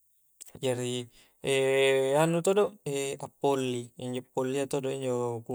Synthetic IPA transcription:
d͡ʒaɾi | ɛanut̪odoeapːolːiiɲd͡ʒopːolːiat̪odoiɲd͡ʒoku

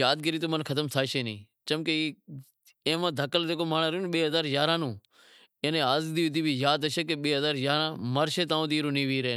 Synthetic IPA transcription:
jaːd̪̚kəɾiːt̪̬oːmənkʰət̪əmt̪ʰaːʃeːnḭ̃ː | t͡ʃəmkeiː | ẽːmãːd̪ʱəkəld̪eːkoːmaːɳaːɾuːnɓeːɦəzaːɾjaːɾãːnũː | ẽːnẽːaːzd̪iːd̪iːbiːjaːd̪əʃeːkeɓeːɦəzaːɾjaːɾãːməɾʃeːt̪ãːõːd̪iːɾoːnĩːʋiːɾeː

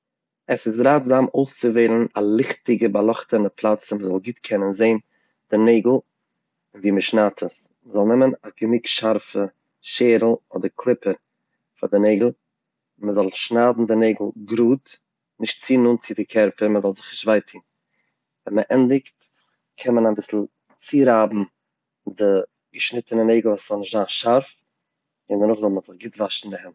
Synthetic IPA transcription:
əsɪs̬ɾaːtzaːmoʊst͡səveɪlˠn̩alˠɪχtɪɡəbalˠɔχtənəpʰlˠat͡sɪməzɔlˠɡiːtkʰɛnənzeɪn | d̥ɪneɪɡl̩ˠ | ɪnviːməʃnaːtʰəs | məzɔlˠnɛmənaɡ̥əmɪkʃaɾfə | ʃeːɾl̩ˠɔ̰dəɾkʰlˠɪpəɾ | fadɪneɪɡl̩ˠ | məzɔlˠʃnaːdn̩dɪneɪɡl̩ˠɡɾuːt | nɪʃtt͡siːnuːnt͡sɪdɪkʰɛɾpəɾməzɔlˠzɪχɪʃtvaɪtʰiːn | vɛnməʔɛndɪkt | kʰɛnmənabɪsl̩ˠ | t͡siːɾaːbm̩ | dɪ | ɡ̥əʃnɪtənəneɪɡl̩ˠvaːsz̥ɔlˠnɪʃtzaːnʃaɾf | ɪndənʊχzɔlˠməzɪχɡɪtvaʃn̩dɪhɛnt

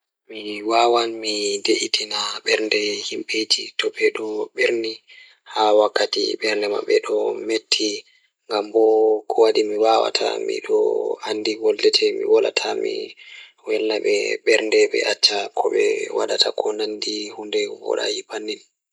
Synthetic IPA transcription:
miwawanmideʔitinaɓɛɾndɛhimɓetitɔɓɛɗɔɓeɾni | hawakːatḭɓɛɾndɛma̰ɓɛɗɔmetʰːi | ŋɡambɔkʰɔwaɗimiwawa̰tʰa̰mḭɗɔanːdiɡɔldɛtʰɛmḭwɔla̰tʰamḭ | wɛlːaɓɛɓɛɾndɛɓɛ̰ʔat͡ʃːakʰɔɓɛ̰wa̰ɗatʰakʰɔnandihundɛwɔ̰ɗa̰jipanːin

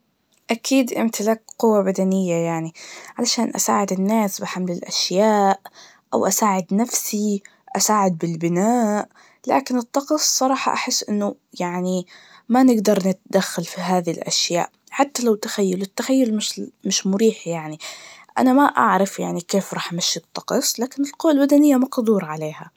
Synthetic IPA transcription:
ʔakʰiːd̪ʔɪ̰mt̪ɪlaːkqʊwːabad̪anɪjːajaʕniʕalaʃaːnʔa̰saːʕɪd̪ɪnːaːsbɪħamlɪlʔaʃjaːʔ | ʔa̰wʔasaːʕɪd̪nafsi | ʔasaːʕɪd̪̚bɪlbɪnaːʔ | la̰ːkɪnɨt̪ˤːɑqsˤːɑɾˤɑːħɑ̰ʔaħɪsːʔɪnːʊ | jaʕnimanɪɡd̪ɑɾˤnɪt̪d̪axːalfiɦaːðilʔa̰ʃja̰ːʔ | ħat̪ːalawt̪ɪxajːalɪt̪ːaxajːʊlmɪʃmɪʃmʊɾiːħjaʕniʔa̰namaʔa̰ʕɾˤɑfjaʕnikeːfɾˤɑːħʔamaʃːit̪ˤːɑ̥qɑsˤlaːkɪnɪlqʊwːalbad̪anɪjːamɑqd̪ˤuːɾˤʕaleːha

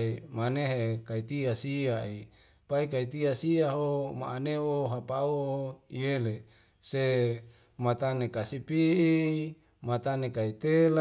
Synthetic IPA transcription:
imaneɦekait̪iasiai | paikait̪iasiaɦoma̰ːneoɦapauoiele | se | mat̪anekasipii | mat̪anekait̪ela

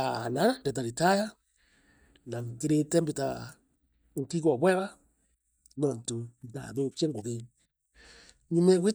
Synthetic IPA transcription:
ananandɛt̬aɾitaja | naŋɡeɾetɛmbita̰ | ŋ̩kikɔβwɛβa | nɔntonda̰ðokiɛŋɡoðe | ɲimɛwʷe

